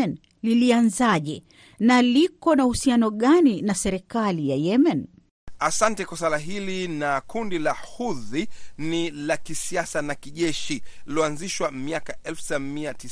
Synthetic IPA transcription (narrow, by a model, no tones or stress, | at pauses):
ɛn | lilianzaʄɛ | nalikɔnahusianɔɠaninasɛɾɛkalijajɛmɛn | asantɛkwasalaɦilinakundilahuðinilakisiasanakiʄɛʃiilɔanziʃwamiakaʔɛlfsamiati